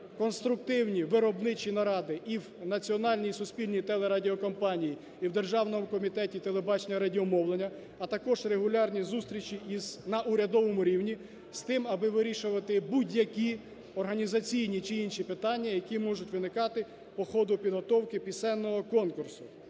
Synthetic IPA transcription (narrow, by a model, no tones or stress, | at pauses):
kɔnst̪ɾʊk̚t̪ɪwnʲiʋɪɾɔbnɪt͡ʃinɐɾɑd̪ɪʔiwnɐt͡sʲiɔnɑlʲnʲijsʊspʲilʲnʲijt̪ɛlˠeɾɑdʲiɔkɔmpɑnʲiji | iwd̪erʒɑwnɔmʊkɔmʲit̪ɛtʲit̪elˠebɑt͡ʃenʲɐɾɐdʲiɔmɔwlˠenʲːɐ | ɐt̪ɐkɔʒreɦʊlʲɑrnʲizust̪ɾʲit͡ʃiʔiznɐʔʊɾʲɐd̪ɔʋɔmʊɾʲiwnʲi | st̪ɪmɐbɪʋɪɾʲiʃʊʋɐt̪ɪbudʲjɐkʲi | ɔrɦɐnʲizɐt͡sʲijnʲit͡ʃɪinʃipɪt̪ɑnʲːɐjɐkʲimɔʒʊtʲʋɪnɪkɑt̪ɪ | pɔxɔd̪ʊpʲid̪ɦɔt̪ɔwkɪpʲisɛnːɔɦɔkɔnkʊrsʊ̥